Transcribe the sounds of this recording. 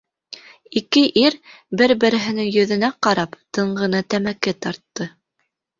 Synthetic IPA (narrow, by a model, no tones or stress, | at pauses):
ikɘʔiɾbɘɾbɘ̆ɾɘ̆ɦɘ̆nɘŋjɵ̆ðɘ̆næqɑɾɑpt̪ɤ̆ɴɢɤ̆nɤt̪æmækɘt̪ɑɾt̪ːɤ